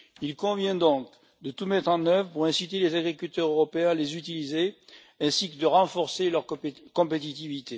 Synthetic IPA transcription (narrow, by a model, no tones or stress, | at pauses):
ilkɔ̃vjɛ̃d̪ɔ̃k | d̪ət̪umɛt̪χɑ̃nœvʁəpuʁɛ̃sit̪elezaɡʁikʲylt̪œʁøʁɔpeɛ̃alezyt̪ilize | ɛ̃sikəd̪əʁɑ̃fɔʁselœʁkɔ̃pet̪it̪ivit̪e